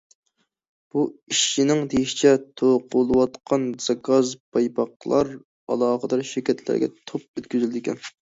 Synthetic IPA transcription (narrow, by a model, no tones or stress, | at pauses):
b̥uiʃt͡ʃinɪŋd̪ejiʃi̥t͡ʃʰɛt̪ʰoqʰulˠɨwɑt̪qʰɑnz̥ɑkɑzpʰɑjpɑqlˠɑɾ | ɑ̰lˠɑːχəd̪ɑɾʃɪɾkʲɛt̪ʰlæ̰ɾɡʲɛ̰t̪ʰop̚øt̪̚kʲʰyzyld̪ɪkʲʰɛn